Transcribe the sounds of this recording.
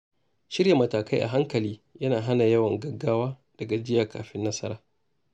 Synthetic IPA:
ʃɪ˦ɾja˨mɐ˨taː˨ka˦jʔa̰˨ɦa˦ŋkɐ˨liː˦jɐ˦naː˨ɦa˦na˨jɐ˦wɐ˨ŋɡɐ˦ɡːaː˦waː˦ | d̥ɐ˨ɡa˨d͡ʒɪ˦jaː˨kaː˨ɸɪ˦nːɐ˦sɐ̰˦ɾaː˨

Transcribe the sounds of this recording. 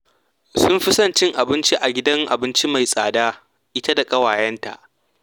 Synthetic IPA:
sʊ˦mɸɪ˦sɐ˦˨nt͡ʃɪ˦ŋʔa˨bɪ˦nt͡ʃi˦ʔa˨ɡʲɪ˦dɐ˦ŋʔa̰˨bɪ˦nt͡ʃi˦ma˨jsʼaː˨daː˦ | ʔɪ˦ta˦da˨kʼɐ˦waː˨jɐ˦nta̰˨ʔ

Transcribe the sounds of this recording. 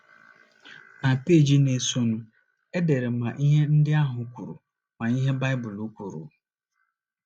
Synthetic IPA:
na˨pe˦˨d͡ʒi˦ne˨so˦nu˦ | e˦de˨ɾe˨ma˨ʔi˦ɦe˦n̩˦dɪ˦a˦ɦʊ˨˦kʷu˨ɾṵ˨ | ma˨i˦ɦe˦ba˦ɪ˦bʊ˨lu˦kʷu˨ɾṵ˨

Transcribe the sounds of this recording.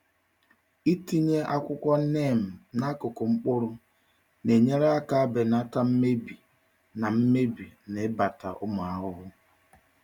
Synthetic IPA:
i˦ti˦ɲe˦ʔa˦kʷʊ˦kʷɔ˦ne˦˨m̩˨na˦kʊ˨kʊ˨ŋ͡m̩˦k͡pʊ˦ɾʊ˦ | ne˨ɲe˦ɾa˦a˦ka˦a˦be˨na˦ta˦m̩˦me˦bi˨ | na˨m̩˦me˦bi˨ne˨˦ba˨ta̰˨ʔʊ˦mʊ˨a˦ɦʊ˦ɦʊ˦

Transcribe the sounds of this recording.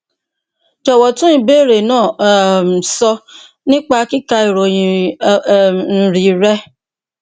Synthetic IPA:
d͡ʒɔ˨wɔ˨tũ˦ĩ˧be˦˨ɾe˨nãː˦˨sɔ˧ | nĩ˦k͡pa˧˦ki˦ka˧i˨ɾo˨jĩ˨ | n̩˨ɾi˨ɾɛ˦

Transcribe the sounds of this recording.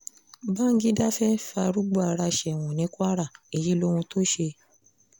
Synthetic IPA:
ba˦ŋ̩˦ɡi˦da˦fɛ˦fa˧ɾu˦ɡ͡bu˦˨a˨ɾa˧ʃɛ˨w̃ɔ̃˨nĩ˨˦ku˦a˦ɾa˦˨i˨ji˨˦lo˦ɾũ˧to˦ʃe˧

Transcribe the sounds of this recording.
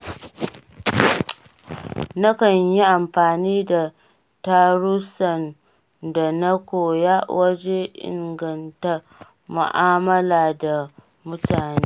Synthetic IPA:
na˦kɐ˦ɲji˦ʔa˨mɸaː˨niː˦da˨ | ta˦ɾu˦sɐ˨n | da˨na˦kʷoː˨ja˦wʔɐ˦d͡ʒe˦ʔɪ̰˨ŋɡɐ˨nta˦ | mʊ̰˨ʔaː˦mɐ˦laː˨da˨ | mʊ˦taː˨neː˦

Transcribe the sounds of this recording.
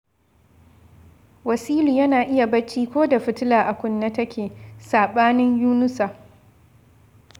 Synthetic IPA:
wɐ˨siː˦luː˨jɐ˦naː˨ʔɪ˦ja˨bɐ˦t͡ʃːiː˦kʷoː˦da˨ɸɪ˦tɪ˦laː˨ʔa˨kʷʊ˦nːa˦tɐ˦kʲeː˨saː˨ɓaː˦nɪ˦ɲjuː˦nʊ˦sa˨ʔ

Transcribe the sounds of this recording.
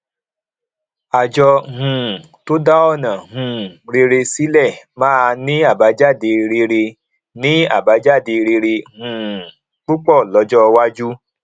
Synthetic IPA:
a˨d͡ʒɔ˧ɦũ˨ | to˦da˦ɔ˦˨nã˨ɦũ˨ɾe˧ɾe˧si˨˦lɛ˦˨mãː˦a˧nĩ˦a˦˨ba˨˦d͡ʒa˦˨de˧ɾe˧ɾe˧ | nĩ˨˦a˦˨ba˨˦d͡ʒa˦˨de˧ɾe˧ɾe˧hũː˨ | k͡pu˦k͡pɔ˦˨lɔ˨˦d͡ʒɔ˦˧wa˦d͡ʒu˦

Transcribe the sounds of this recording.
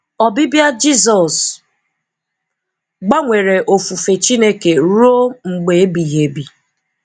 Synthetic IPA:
ɔ˨bɪ˦bja˦d͡ʒi˦zɔ˨s | ɡ͡ba˦ŋʷe˨ɾe˨ʔo˨fu˨fe˨t͡ʃi˦ne˦ke˨ɾo˦ŋ͡m̩˨ɡ͡be˨e˦bi˨ɦe˨bi˨

